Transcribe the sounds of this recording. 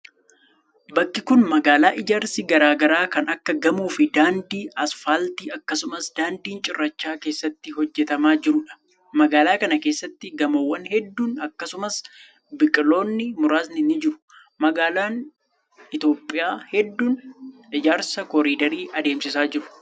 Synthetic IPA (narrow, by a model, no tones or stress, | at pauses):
bɐkːɪkʊnmɐɡaːlaːʔɪd͡ʒaːɾsɪɡɐɾaːɡɐɾaːkɐnɐkːɐɡɐmuːfɪd̪aːnd̪iːʔɐsfaːlt̪iːɐkːɐsʊmɐsd̪aːnd̪iːnt͡ʃʼɪrːɐt͡ʃːaːke̞ːsːɐt̪ːɪɦɔd͡ʒːɛt̪ɐmaːd͡ʒɪɾʊᶑɐ̥ | mɐɡaːlaːkɐnɐke̞ːsːɐt̪ːɪɡɐmɐwːɐnhɛd̪ːuːnɐkːɐsʊmɐs | bɪkʼɪlo̞ːnːɪmʊɾaːs̬nɪnɪd͡ʒɪɾʊ̥ | mɐɡaːlaːn | ɪt̪o̞ːpʼːɪjaːhɛd̪ːuːnʔɪd͡ʒaːɾsɐkɔɾiːd̪ɐɾiːʔɐd̪e̞ːmsɪsaːd͡ʒɪɾʊ̥